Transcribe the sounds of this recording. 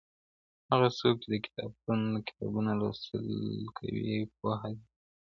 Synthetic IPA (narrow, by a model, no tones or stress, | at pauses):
haɣasok̚t͡ʃed̪əkɪ̥t̪ɑb̚unkɪ̥t̪ɑ̰bunalost̪ə̰lkʰa̰wḭpaɦad̪i